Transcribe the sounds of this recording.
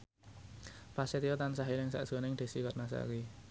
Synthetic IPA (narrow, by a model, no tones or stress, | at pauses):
paset̪ijɔt̪ansaɦilɪŋsa̰ʔd̥ʒ̥ɔ̤nɪŋd̪̥e̤sikat̪̚nas̬a̰ʔɾi